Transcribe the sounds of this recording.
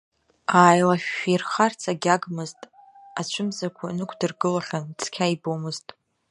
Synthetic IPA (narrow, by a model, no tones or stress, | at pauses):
aːjlaʃᶣːirχart͡sʰaɡʲaɡmɨztʼ | at͡ʃʷʰɨmzakʷʰanɨkʷʰdɨrɡɨlaχʲant͡sʰkʲʰaibomɨztʼ